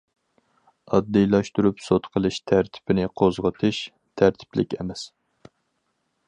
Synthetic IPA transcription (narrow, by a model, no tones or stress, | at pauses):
ɑd̪ːijlˠɑʃt̪uɾupsot̪qʰəlˠɨʃt̪ʰæɾt̪ʰɪ̥pɪnɪqʰozʁət̪ʰɨʃ | t̪ʰæɾt̪ʰɪ̥plɪkʲɛ̰mɛs